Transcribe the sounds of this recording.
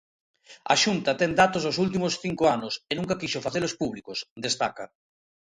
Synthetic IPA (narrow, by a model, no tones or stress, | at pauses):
ɐ̰ʃunt̪ɐt̪ɛŋd̪at̪ozosult̪̬imʊsθiŋkoanʊsenũŋkɐkiʃʊfaθelospuβlikʊsd̪est̪akɐ